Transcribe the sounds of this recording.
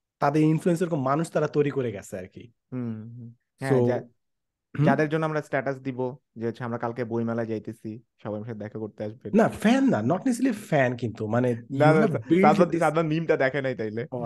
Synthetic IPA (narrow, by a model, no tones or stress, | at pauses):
t̪ad̪eɾinfluensaɾkomanuʃt̪aɾat̪ojɾikoɾeɡɛt͡ɕʰeaɾkḭ | ɦ̩ | ɦɛsoa | d͡ʑad̪eɾd͡ʑonːoamɾasʈɛʈas̬d̪ibo | d͡ʑet͡ɕʰeamɾakalkebojmɛlad͡ʑajt̪esʰiʃɔbajmʃad̪̚d̪ɛkʰakoɾt̪eaʃbenafɛnːanɔʈnis̬ilifɛnkint̪umanenaabiaasad̪banimʈad̪ɛkʰanajt̪ajle